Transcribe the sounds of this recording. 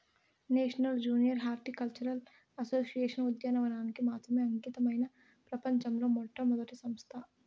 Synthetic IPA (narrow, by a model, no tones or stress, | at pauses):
neːʃnɐld͡ʒuːnijəɾɦaːɾʈikɐlt͡ʃuɾɐl | ɐsoːsijeːʃɐnʊd̪jɐnɐʋɐnaːnkemaːt̪ʰɐmẽɐ̃ŋkit̪ɐmɐɦɪna | pɾɐpɐɲt͡ʃɐmɾomoːʈʰːɐmɐd̪ɐʈ̪isɐ̃mst̪ʰaː